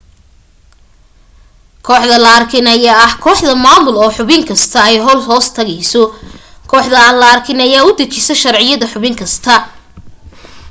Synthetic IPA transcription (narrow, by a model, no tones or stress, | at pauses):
kʰɔːħðɐlɐɐrkʰɪnɐjɐɐhkʰɔːħðɐmaːmʊlɔːħʊβɪŋkʰɐst̪ʰɐɛjɦɔlɦɔːst̪ʰɐɣɛjsɔkʰɔːħðɐɐlɐɐrkʰɪnɐjaːʊd̪ɐt͡ʃɪsɐʃɐrʕɪjɐðɐħʊβɪŋkʰɐst̪ʰɐ